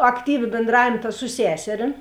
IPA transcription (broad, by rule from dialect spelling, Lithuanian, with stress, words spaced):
ɐkˈtʲiːʋʲɪ bʲeːnˈdrɑːʋʲeːm tɐ sʊ ˈsʲæːsʲɛrʲɪm